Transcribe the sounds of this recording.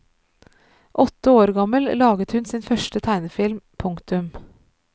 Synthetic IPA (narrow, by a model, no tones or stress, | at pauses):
ʔɔt̪əoːɾɡɑməllɑːɡət̪hʉnsiːnfœʃʈət̪ʰæɪnəfɪlmpʰʊŋkt̪ʉm